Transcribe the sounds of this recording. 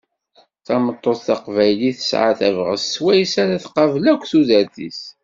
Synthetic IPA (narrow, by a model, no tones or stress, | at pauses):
θɑmət̪ˤːoθθɑqvæjliθə̥sʕa̰θævʁəsːwæjsaɾaθqɑvlækʷːθuzəɾθḭs